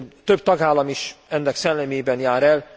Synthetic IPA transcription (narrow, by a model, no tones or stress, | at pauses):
t̪øb̚t̪ɒɡaːlːɒmiʃɛnːɛksɛlːɛmeːbɛnjaːɾɛl